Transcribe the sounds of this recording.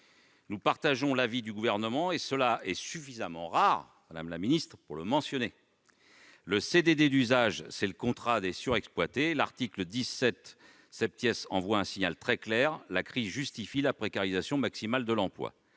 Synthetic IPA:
nupaʁt̪aʒɔ̃lavid̪yɡuvɛʁnəmɑ̃esəlaɛsyfizamɑ̃ʁaʁ | mad̪amlaminist̪χpuʁləmɑ̃sjɔne | ləsed̪ed̪ed̪yzaʒsɛləkɔ̃t̪χad̪esyʁɛksplwat̪ela̰ʁt̪ikləd̪izsɛt̪ | sɛp̚t̪jɛsɑ̃vwaɛ̃siɲalt̪χɛklɛʁlakχizʒyst̪ifilapχekaʁizasjɔ̃maksimald̪əlɑ̃plwa̰

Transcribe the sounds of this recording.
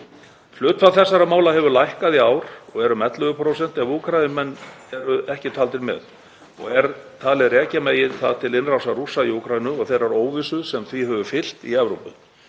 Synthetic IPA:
flʏːt̪faθɛsːaɾamaːwlaɦɛvʏɾlajhkaðiaːwɾ̥ɔɣɛɾʏmɛt̪lœɣʏpʰɾowsɛn̥t̪ɪavuːkʰɾajðɪmɛnːɛɾʏɛhcɪt̪ʰalt̪ɪɾmɛ̰ð | ɔ̰ɣɛɾt̪ʰaːlɪðrɛːcameːjɪðθa̰ðt̪ʰɪlɪnrawsarusːaiuːkʰɾajðɪnʏɔɣθejɾaɾoːwvɪsʏðsɛmθviɦœvʏfɪl̥t̪iɛvɾo̰wpʏ̰

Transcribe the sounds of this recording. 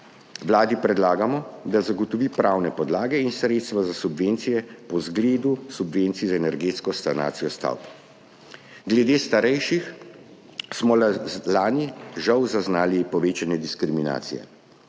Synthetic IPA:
ʋlaːd̪ipɾɛd̪laːɡamɔd̪azaɡɔt̪ɔʋiːpɾawnɛpɔd̪laːɡɛinsɾeːt̪st̪ʋazasubʋent̪sijɛpɔzɡleːd̪usubʋeːnt̪sizaɛnɛɾɡeːt̪skɔst̪ana̰ːt̪sijɔst̪a̰wp | ɡlɛd̪eːst̪aɾɛjʃix | smɔlaːniʒawzaznaːlipɔʋeːt͡ʃanɛd̪iskɾimina̰ːt̪sijɛ̰

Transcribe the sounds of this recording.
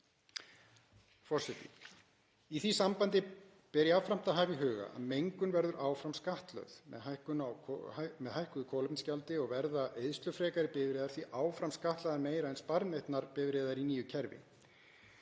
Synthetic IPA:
fɔr̥sɛt̪ḭ | iθisampant̪ɪ | pɛɾjaawfɾam̥t̪aɦaːvɪɦʏːɣa̰ʔa̰ðmejŋkʏnvɛɾðʏɾʔaːwfɾamskaht̪lœ̰ðmɛ̰ðhajhkʏnaamɛðhajhkʏðʏkʰɔːwlʏpnscawlt̪ɪɔɣvɛɾðaejðst̪lœfɾɛːkaɾɪpɪvɾeːðaɾ̥θviʔaːwfɾamskaht̪laðaɾmeːjɾaɛnspaɾnejht̪naɾpɪːvɾeːðaɾiniːjʏcʰɛɾvɪ̰

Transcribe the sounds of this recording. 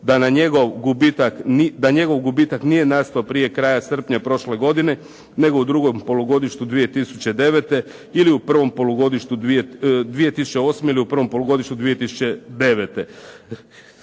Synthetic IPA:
d̪anaɲeɡo̞ʋɡubit̪aknid̪aɲe̞ɡo̞ʋɡubiːt̪aknije̞naːst̪aopɾije̞kɾaːjasr̩pɲapɾo̞ʃle̞ɡo̞d̪ine̞ | neɡo̞ud̪ɾuɡo̞mpo̞loɡo̞d̪iʃt̪ud̪ʋije̞t̪isut͡ɕe̞d̪e̞ʋet̪e̞ | iliupr̩ʋo̞mpo̞luɡo̞d̪iʃt̪uied̪ʋije̞t̪isut͡ɕeo̞ːsmeiliupr̩ʋo̞mpo̞lˠoɡo̞d̪iʃt̪ud̪ʋije̞t̪isu̥t͡ɕed̪e̞ʋet̪e̞

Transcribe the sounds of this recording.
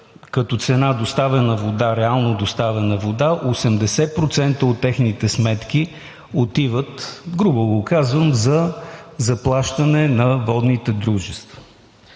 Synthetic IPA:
kɐt̪ɔt̪sɛnad̪ost̪avɛnəvod̪aɾɛalˠnod̪ost̪avɛnɐvod̪aʔosɛmd̪ɛsɛpɾot̪sɛnt̪əot̪ːɛxnit̪ɛsmɛt̪k̟i | ot̪ivət̪ɡɾubəlˠokazvəmzɐzɐplˠaʃt̪ɐnɛnɐvɔd̪nit̪ɛd̪ɾuʒɛst̪və

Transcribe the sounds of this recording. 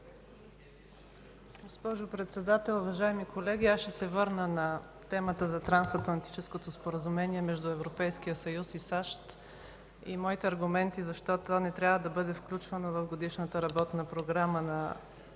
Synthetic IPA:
ɡospɔʒopɾɛt̪sɛd̪at̪ɛlˠuvɐʒaɛmikolɛɡ̟ʲiaʃɛsɛvɤɾnənɐ | t̪ɛmət̪əzɐt̪ɾansɐt̪lˠɐnt̪i̥t͡ʃɛskot̪ospoɾəzumɛniɛmɛʒd̪ʊɛvɾopɛjskijəsɐjusisaʃt̪ | imɔit̪ɛɐɾɡumɛnt̪izɐʃt̪ɔt̪onɛt̪ɾʲjabvəd̪ɐbɤd̪ɛfklʲut͡ʃvənovɐfɡod̪iʃnət̪əɾɐbɔt̪nəpɾoɡɾamənɐ

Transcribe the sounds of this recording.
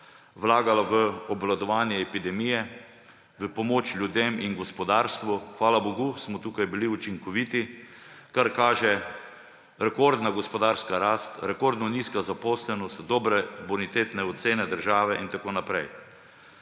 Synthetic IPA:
ʋlaːɡalaʋəɔblad̪ɔʋaːnjɛɛpid̪ɛmijɛ | ʋəpɔmoːt͡ʃlʲjud̪eːminɡɔspɔd̪aɾst̪ʋuxʋaːlaboɡusmɔt̪uːkajbiliut͡ʃiŋkɔʋit̪i | kaɾkaːʒɛ | ɾɛkɔɾd̪naɡɔspɔd̪aːɾskaɾaːst̪ɾɛkoɾd̪nɔniːskazapɔːslɛnɔst̪d̪ɔːbɾɛbɔnit̪eːt̪nɛɔt̪seːnɛd̪əɾʒaːʋɛʔint̪akoːnapɾɛj

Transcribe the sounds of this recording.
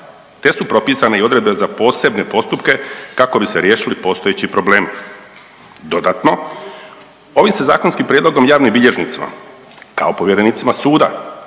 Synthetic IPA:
t̪e̞supɾo̞piːsaneio̞d̪ɾe̞d̪benzapo̞ːse̞bne̞po̞st̪upke̞kako̞biseɾje̞ːʃilipo̞st̪o̞jet͡ɕipɾo̞ble̞ːmi | d̪o̞d̪at̪no̞ | o̞ʋimse̞za̰ːkonskimpɾjed̪lo̞ɡo̞mjaːʋnimbiʎe̞ʒnḭt̪sima̰ | ka̰o̞po̞ʋjeɾeniːt̪simasuːd̪a̰

